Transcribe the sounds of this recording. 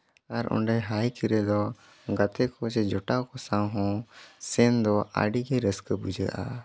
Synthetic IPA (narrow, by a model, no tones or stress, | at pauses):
aɾɔ̰ɳɖɛɦajkiɾɛd̪ɔ | ɡat̪ɛkɔt͡ʃɛd͡ʒɔʈawkɔsãwɦɔ̃sɛnd̪ɔa̰ɖiɡɛɾəskəbud͡ʒa̰ʔa̰